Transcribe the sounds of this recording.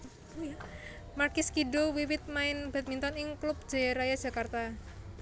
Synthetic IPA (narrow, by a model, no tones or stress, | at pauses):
markɪskidowiwɪt̪̚maɪnb̥at̪̚mint̪ɔnɪŋklup̚d̥ʒ̥aɾajadd͡ʒ̥a̤kart̪a